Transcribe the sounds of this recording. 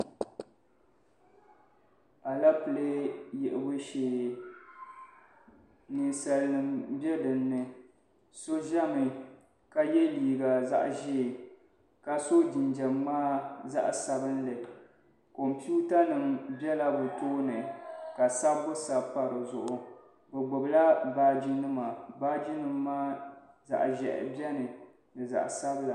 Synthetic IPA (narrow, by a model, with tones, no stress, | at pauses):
a˨la˦pɨ˨le˦jɛ˨ʔɪ˨bɨ˦ʃeː˨ | nɨ˨nsa˨lnɨ˨mbjɛ˦dɨ˨nːɨ˨ | so˦ʒa˦mɨ˨ | ka˦jɛ˦liː˨ɡa˨za̰˦ʔʒi˦˨ | ka˦so˦d͡ʒi˨nd͡ʒɛ˨mːaː˦za̰˦ʔsa˨bɨ˦n˦lɨ˨ | ko˨mpu˦ta˦nɨ˨mbɛ˦la˦bʊ˨toː˦nɨ˨ka˨sa˦bʊ˦sa˨pa˨ɾɨ˨zʊ˨ʔʊ˨ | bɛ˨ɡ͡bʊ˨bla˦baː˨d͡ʒi˦nɨ˦ma˨baː˦d͡ʒi˦nɨ˨mːaː˦ | za̰˨ʔʒɛ̰˨ʔɪ̰˨bɛ˦nɨ˨ | dɨ˨za̰˨ʔsa˦bla˨